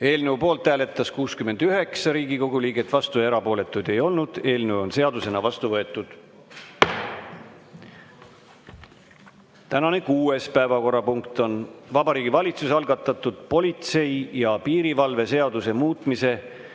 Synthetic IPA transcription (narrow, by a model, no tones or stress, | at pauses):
e̞ːlnewpo̞ːlt̪ːˑæːle̞t̪ːˑɑskuːskyme̞nd̪yɦe̞ksɑɾiːɡiko̞ɡ̥uliːɡe̞t̪ːˑvɑst̪ue̞ɾɑpo̞ːle̞t̪ːˑud̪̥e̞jo̞lnud̪̥e̞ːlnewo̞nse̞ɑd̪use̞nɑvɑst̪uvɤ̞e̞t̪ːˑud̪̥ | t̪ænɑne̞kuːe̞spæevɑko̞rɑpuŋkt̪o̞nvɑbɑɾiːɡivɑlʲit̪susɑlɡ̥ɑt̪ːˑɑt̪ˑːud̪̥po̞lʲit̪se̞jjɑpiːɾivɑlve̞se̞ɑd̪̥use̞muːt̪ˑmise̞